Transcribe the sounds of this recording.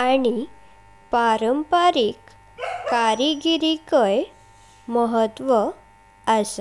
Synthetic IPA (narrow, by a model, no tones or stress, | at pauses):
aɽ̃i | paɾəmpaɾik | kːaɾiɡiɾikəj | məɦət̪ʋə | əs